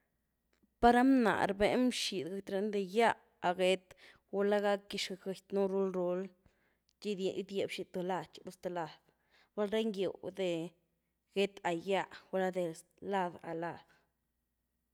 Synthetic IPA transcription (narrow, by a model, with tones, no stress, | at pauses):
pa˦ɾa˦mna̰˨ɾbe˨nmʃi˨d̪ɡa˧˦t̪ɾe˧˦nd̪e˧ja˦ʔ | a˨ɡe˧t̪ | ɡu˧˦la˦ɡa˦kːi˧ʃke˧jt̪nu˦ɾu˦lɾu˧l | d͡ʒi˦d̪d̪je˨bʃi˧˨t̪o˧la˧˨t͡ʃɾu˦st̪e˧˨la˨d̪̥ | wʷa˦lɾe˦ŋɡjo̰˨d̪e˨ | ɡ̥e˦t̪a˨ja˦˧ʔwa˧la˦d̪e˨ | la˦d̪a̰˨la˧d̪̥